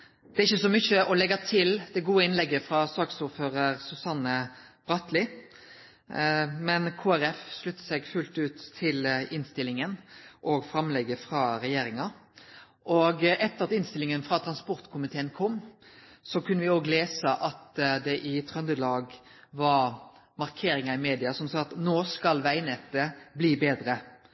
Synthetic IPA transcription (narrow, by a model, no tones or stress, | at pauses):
d̪̥ɛæɾɪçːəsɔmʏçəʔɔlɛɡɑt̪ʰɪld̪̥ɛɡuːəɪnlɛɡːəfɾɑsɑːksuːɾføːʁəɾsʉsɑnə | b̥ʁɑt̪lɪ | mɛnkʰoːæɾɛfslʉt̪ːə̥sɛɡfʉlt̪ʉːt̪ʰːɪlɪnst̪ɪlɪŋənʔɔɡfɾɑmlɛɡːəfʁɑɾɛjeːɾɪŋɑ | ʔɔɡɛt̪ːəɾɑt̪ɪnst̪ɪlɪŋənfʁɑt̪ʰɾɑnspɔɾt̪kʰʊmɪt̪ʰeːənkʰɔmːsɔkʰʉnːəʋɪoːɡleːsəʔɑt̪d̪ɛʔɪt̪ʰʁœnd̪əlɑːɡ | ʋɑɾ | mɑʁkʰeːɾɪŋɑɪmeːd̪ɪɑsɔmsɑːɑt̪noːskɑlʋæɪnɛt̪ːəbliːbeːd̪ɾə